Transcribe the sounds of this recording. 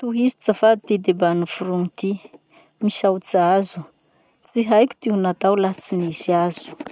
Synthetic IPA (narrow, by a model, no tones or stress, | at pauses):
t̪uɦizi̥t͡safad̪ut̪id̪ebanufuɾuŋit̪i | misawt͡sazu̥ | t͡siɦajkʲu̥t̪iunat̪awlat͡siniziazu̥